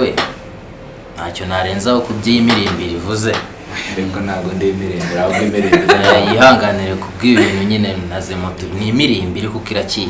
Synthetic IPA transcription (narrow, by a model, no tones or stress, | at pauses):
we | nha̰co̞naɾeːnzahokubɟijimiɾiːmbiɾivuze̞ | ɾekonaːɡondimiɾiːmbiɾaoɡimiɾiːbjiɦaːŋɡaniɾekub̚ɡiːβiːn̤huɲine̞nazemutunimiɾiːmbiɾikukiɾaciː